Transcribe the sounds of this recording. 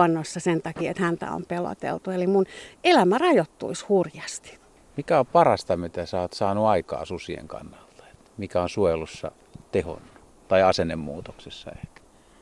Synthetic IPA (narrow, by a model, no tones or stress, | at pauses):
ɑnːosːɑsent̪ɑkiːet̪hænt̪æ̰o̰mpelo̰t̪ḛlt̪uelimunelæmærɑjot̪ːṵishurjɑst̪i̥ | mikæoppɑrɑst̪ɑmet̪æsot̪sɑːnuɑikɑ̰ːsusiḛŋkɑ̰nːɑlt̪ɑ̥e̥t̪mikæonsuojelusːɑ̰ | t̪eho̰nːu̥ | t̪ɑiɑsenːemmuːt̪oksesːɑ̰ehkæ̥